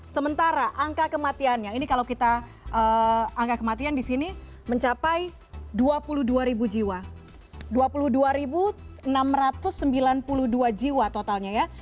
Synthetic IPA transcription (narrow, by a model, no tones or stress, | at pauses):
səmənt̪aɾaʔaŋkakəmat̪ianɲainikalawkit̪a | ʔəaŋkakəmat̪iandisini | məɲt͡ʃapaj | duapuluhduaɾibud͡ʒiwa | duapuluduaɾibuənamrat̪ʊsːəmbilanpuluhduad͡ʒiwat̪ot̪alɲaja